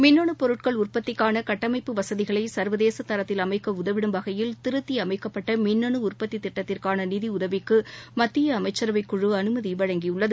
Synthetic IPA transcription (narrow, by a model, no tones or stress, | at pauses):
mɪnːɐɳɯpɔɾɯʈ̚kɐɭʊrpɐt̪ːɪkːaːnɐkɐʈːɐmɐɪpːɯʋɐsɐðɪɣɐɭɐɪsɐɾʋɐðeːsɐt̪ɐɾɐt̪ːɪlɐmɐɪkːɐʊðɐʋɪɽɯmbɐɣɐjɪlt̪ɪɾɯt̪ːiɐmɐɪkːɐpːɐʈːɐmɪnːɐɳɯʊrpɐt̪ːit̪ːɪʈːɐt̪ːɪrkaːnɐniːðiʊðɐʋɪkːɯmɐt̪ːɪjɐːmɐɪt͡ʃːɐɾɐʋɐɪkːʊɻɯɐnɯmɐðiʋɐɻɐŋɡijɯɭːɐðɯ